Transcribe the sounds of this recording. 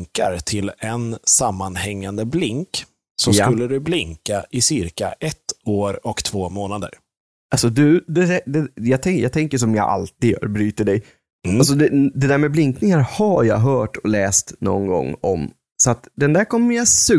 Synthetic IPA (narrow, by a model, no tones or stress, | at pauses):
ŋka̰ɾt̪ʰɪlɛnsamːanhɛŋːand̪əblɪŋk | sɔmakɵlːəd̪ɵblɪŋkaʔɪsɪɾka̰ʔɛt̪ːoːɾɔkt̪ʰv̥oːmoːnad̪ə̰ɾ | ʔalsɔd̪ɵd̪ɛd̪æd̪ɛjɑːt̪ʰɛjɑ̰ːɡt̪ʰɛŋkəʂɔmjɑ̰ːɡʔa̰lt̪iːd̪jœ̰ːɾbɾyːt̪əɖɛj | als̬ɔd̪ɛd̪ɛd̪æːɾmɛblɪŋknɪŋaɾhajɑ̰ːɦœːʈɔlɛːst̪nɔ̰nɡɔ̰ŋːɔm | sɔat̪d̪ɛnd̪æːɾkʰɔmːəjasʉ